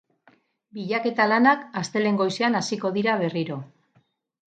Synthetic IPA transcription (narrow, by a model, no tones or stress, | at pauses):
biʎake̞t̪alanakast̪e̞le̞ŋɡo̞jseanasiko̞ðiɾaβ̞e̞riɾo̞